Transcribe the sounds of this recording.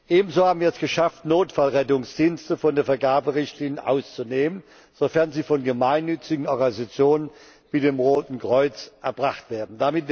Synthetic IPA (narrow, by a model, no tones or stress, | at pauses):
ʔeːbm̩zoːhaːbm̩viɐɛsɡ̥əʃaftnoːtfalʁɛtʊŋsd̥iːnstəfɔndeːɐfɛɐɡaːbəʁɪçtʰliːnjəʔa̰ʊst͡suneːmən | z̥ofɛɐnziːfɔnɡəmaɪnːʏt͡sɪɡŋ̩ɔɐɡanizat͡sjoːnən | b̥ideːmʁoːtn̩kʁ̥ɔʏt͡sʔɛɐbʁaχtv̥eːɐdn̩d̥amɪt